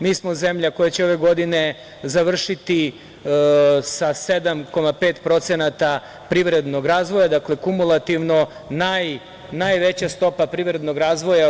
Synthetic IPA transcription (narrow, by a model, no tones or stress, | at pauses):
miːsmo̞zemʎako̞jat͡ɕeo̞ʋe̞ɡo̞d̪ine̞ | zaʋr̩ʃit̪i | sased̪amko̞mapeːt̪pɾo̞t̪senat̪a | pɾiʋɾe̞d̪no̞ɡɾaːzʋojad̪akle̞kumulˠat̪iʋno̞ | naj | najʋe̞t͡ɕast̪o̞papɾiʋɾe̞d̪noɡɾaːzʋo̞ja